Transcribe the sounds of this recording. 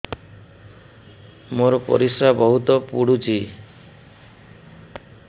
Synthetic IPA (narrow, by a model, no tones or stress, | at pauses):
moɾɔpɔ̰ɾisɾabɔɦut̪ɔpuɽut͡ʃʰi